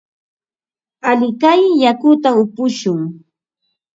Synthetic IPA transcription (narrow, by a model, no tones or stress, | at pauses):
aʎɪkajjakʊt̪aʊpʊʃʊŋ